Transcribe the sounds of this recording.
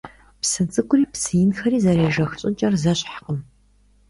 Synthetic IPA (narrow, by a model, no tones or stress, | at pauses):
psɨt͡sʼɨkʷʼʊriːpsɨjɪnxɐɾiːzɐɾeːʒɐxt͡ʃʼɪnt͡ʃʼɐrzɐɕʼħqəm